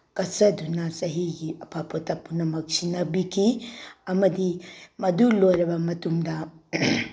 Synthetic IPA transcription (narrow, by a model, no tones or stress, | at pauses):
kɐsɐd̪ʱunasɐɦiɡiɐpʰapot̪apunɐmɐksinɐbikiɐmɐd̪imɐd̪ulojɾɐbamɐt̪umda